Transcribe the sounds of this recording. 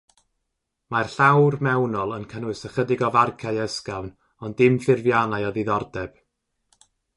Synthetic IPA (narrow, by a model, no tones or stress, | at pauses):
marɬawrmɛwnɔlˠənkʰənɨsəχədɪɡɔvarkʰajɛskavn | ɔndɪmfɪrvjanajɔðiðɔrdɛb̥